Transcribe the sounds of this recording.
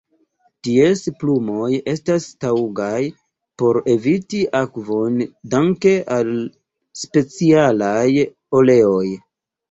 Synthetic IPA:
tie̞splumo̞je̞stastauɡaj | po̞ɾe̞vitiʔakvo̞ndaŋke̞ʔal | spe̞t͡sialaj | o̞le̞o̞j

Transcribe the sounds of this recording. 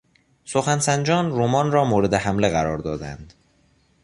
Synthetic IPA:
so̞xænsænd͡ʒɒːnɾuːmɒːnrɒːmoːɾe̞d̪eɦæmleɣæɾɒːɾd̪ɒːd̪æ̰nd̪̥

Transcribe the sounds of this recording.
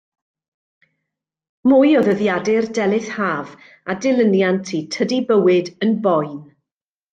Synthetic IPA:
mʊːjɔðəðjadɪrdɛlˠɪθhaːv | adɪlˠənjantʰitʰədibəwɪdənbɔjn

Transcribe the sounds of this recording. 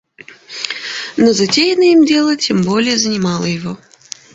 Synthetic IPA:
nozɐtʲejɪnəimdʲe̞lˠətʲembolʲɪjəzənʲɪmɑlˠəjɪvo

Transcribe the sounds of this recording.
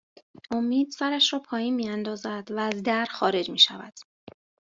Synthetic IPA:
ʔo̞miːd̪̥sæɾæʃɾɒːpʰɒːjiːnmiːænd̪ɒːzæd̪̥væːzd̪æɾxɒːɾe̞d͡ʒmiːʃævæd̪̥

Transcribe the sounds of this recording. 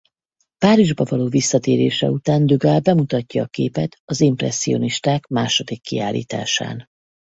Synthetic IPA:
paːɾiʒbɒvɒloːvisːɒt̪eːɾeːʃɛ̰ut̪aːnd̪yɡaːlbɛmut̪ɒcːɒːkeːpɛt̪ɒzimprɛ̰sːio̞niʃt̪aːkmaːʃod̪ikːiaːlːḭːt̪a̰ːʃa̰ːn

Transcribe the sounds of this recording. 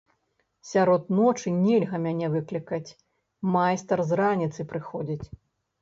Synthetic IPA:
sʲaɾɔt̪nɔt͡ʂɨnʲɛlʲɣɐmʲanʲɛvɨklʲikɐt͡sʲ | majst̪ɐrzɾanʲit̪sɨpɾɨxɔd͡zʲit͡sʲ

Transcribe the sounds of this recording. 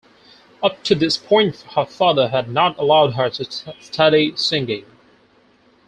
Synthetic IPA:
ʌp̚tʰɨðɪspʰɔ̃ɪ̃nthə˞fɑðə˞ɨdⁿnəɾəlaʊd̚ɦə˞ɾɨstʰʌɾisɪ̃ŋɡɪ̃ŋ

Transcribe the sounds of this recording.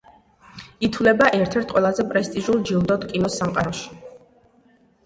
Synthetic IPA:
it̪ʰwlɛbaʔɛɾt̪ʰɛɾt̪̚ʰqʼwɛlˠazɛpʼɾɛst̪ʼiʒulˠd͡ʒilˠd̪ɔd̪kʼinɔsamqʼaɾɔʃi̥

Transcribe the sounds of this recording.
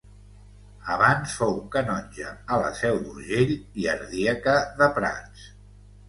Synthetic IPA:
əβansfowkənɔnʲd͡ʒəːlə̰sɛwd̪uɾʒeʎiə̰ɾðiəkəðəpɾa̰ns

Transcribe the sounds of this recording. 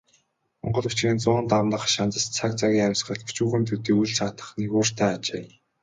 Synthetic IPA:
mɔ̰ɴɢɞ̆ɮut͡ɕ̆iːnt͡sʊːnt̪awnə̆χʃant͡sə̆st͡sʰak̚t͡saɣʲiːŋæmʲsχə̆ɬpu̥t͡ɕuːɣɘ̆mt̪ʰut̪iːujɮt͡saːt̪ə̥̆χnikoːr̥t̪ʰæːat͡ɕeː

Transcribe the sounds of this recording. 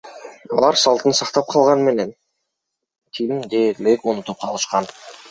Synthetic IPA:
ɑlˠɑɾsɑlˠt̪ənsɑqt̪ɑp̚qʰɑlˠʁɑnme̞ne̞n | t̪ʰijimd̪eːɾlekunut̪up̚qʰɑlˠɯʃqɑn

